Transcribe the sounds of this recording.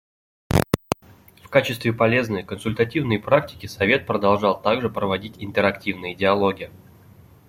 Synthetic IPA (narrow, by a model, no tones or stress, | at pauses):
fkat͡ɕɪst̪vʲɪpɐlʲe̞znəjkənsʊlʲt̪ɐtʲivnəjpɾaktʲɪ̥kʲɪsɐvʲe̞t̪̚pɾəd̪ɐlˠʐɑlˠt̪aɡʐɨpɾəvɐdʲitʲɪnt̪əɾɐktʲivnɨjəɪdʲɪɐlˠo̞ɡʲɪjə